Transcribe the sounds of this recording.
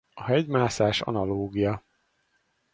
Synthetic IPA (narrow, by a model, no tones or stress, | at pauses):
ɒɦɛɟmaːsaːʃɒ̰nɒloːɡijɒ